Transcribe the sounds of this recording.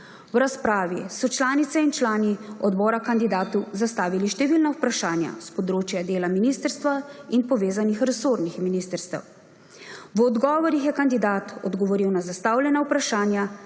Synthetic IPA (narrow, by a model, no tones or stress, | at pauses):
wɾaspɾaːʋisɔt͡ʃlaːnit̪sɛint͡ʃlaːniɔd̪bɔːɾakand̪id̪aːt̪uzast̪aːʋiliʃt̪ɛʋiːlnauwpɾaʃaːnja̰spɔd̪ɾoːt͡ʃjad̪eːlaminist̪əɾst̪ʋainpɔʋeːzanixɾɛsoɾnixminiːst̪əɾst̪ɛ̰w | ʋɔd̪ɡɔːʋɔɾixjɛkand̪id̪aːt̪ɔ̰d̪ɡɔʋɔɾiwnazast̪awljɛnaupɾaʃaːnja